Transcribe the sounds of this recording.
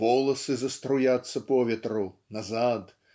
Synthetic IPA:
vɔlˠɐsɨzɐst̪ɾujat̪sːɐpɔvʲɛt̪ɾunazad̪

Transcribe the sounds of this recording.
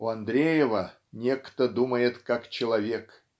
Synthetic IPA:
ʊɐnd̪ɾʲejɪvə | nʲe̞kt̪əd̪uməjɪt̪kakt͡ɕɪlˠɐvʲek

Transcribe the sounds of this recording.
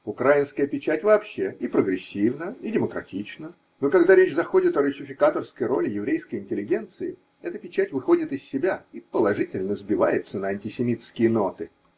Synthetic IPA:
ʊkɾajɪnskəjəpʲɪt͡ɕætʲvɐːpɕːe̞ipɾəɡɾʲɪsʲːivnəidʲɪməkɾɐ̰tʲit͡ɕnə | nokɐɡd̪aɾʲet͡ɕzɐxo̞dʲɪt̪əɾʊsʲɪfʲɪkat̪ərskəjɾo̞lʲɪjɪvɾʲejskəjɪnʲtʲɪlʲɪɡʲe̞nt̪sɨɪ | ɛt̪əpʲɪt͡ɕætʲvɨxo̞dʲɪt̪ɨsʲːɪbʲaipəlˠɐʐɨtʲɪlʲnəzbʲɪvajɪt̪sənəɐnʲtʲɪsʲɪmʲit̪skʲɪjəno̞t̪ɨ

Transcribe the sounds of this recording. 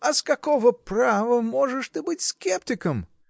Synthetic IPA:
ɐskɐkovəpravəmoʐɨʂt̪ɨbɨtʲskʲeptʲɪkəm

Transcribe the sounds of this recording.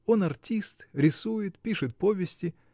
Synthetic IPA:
o̞nɐrtʲist̪ɾʲɪsujɪt̪pʲiʂɨt̪̚po̞vʲɪsʲtʲɪ

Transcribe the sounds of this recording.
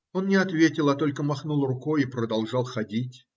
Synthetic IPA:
onnʲɪɐt̪vʲetʲɪlˠat̪o̞lʲkəmɐxnulˠrʊko̞jipɾəd̪ɐlˠʐɑlˠxɐdʲitʲ

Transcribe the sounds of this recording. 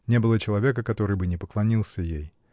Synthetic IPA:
nʲe̞bɨlˠət͡ɕɪlˠɐvʲe̞k̬əkɐt̪o̞ɾɨjbɨnʲɪpəklˠɐnʲilˠsʲəjej

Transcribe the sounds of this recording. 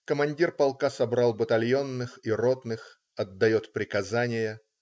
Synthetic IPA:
kəmɐnʲdʲirpɐlˠkasɐbɾɑlˠbət̪ɐlʲjonːɨxiro̞t̪nɨx | ɐd̪ːɐjo̞t̪pɾʲɪkɐzanʲɪjə

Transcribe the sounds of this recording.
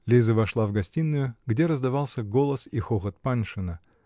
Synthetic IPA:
lʲezəvɐʂlˠavɡɐsʲtʲinːʊjʊɡdʲeɾəzd̪ɐvɑlˠsʲəɡo̞lˠəsixoxət̪̚panʂɨnə

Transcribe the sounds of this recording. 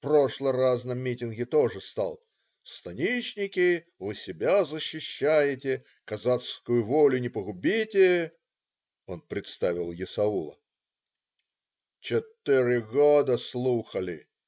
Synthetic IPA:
pro̞ʂlˠəraznəmːʲitʲɪnɡʲɪt̪o̞ʐɨst̪a̰lˠ | st̪ɐnʲit͡ɕnʲɪkʲɪ | vɨsʲɪbʲazəɕːɪɕːæjɪtʲɪ | kɐzat̪skʊjʊvolʲʊnʲɪpəɣʊbʲitʲɪ | o̞npɾʲɪt̪st̪avʲɪlˠjɪsɐulˠə̰ | t͡ɕɪt̪ɨɾʲɪɡod̪əslˠuxəlʲɪ̰

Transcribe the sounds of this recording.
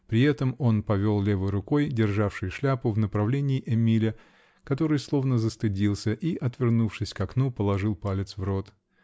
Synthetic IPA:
pɾʲɪɛt̪əmo̞npɐvʲo̞lˠlʲe̞vɨjɾʊko̞jdʲɪrʐafʂɨjʂlʲapʊvnəpɾɐvlʲenʲɪːʔɛmʲilʲə | kɐt̪o̞ɾɨjslˠo̞vnəzəst̪ɨdʲilˠsʲəʔiʔɐt̪vʲɪrnufʂɨsʲkɐknupəlˠɐʐɨlˠpalʲɪt̪svro̞t̪

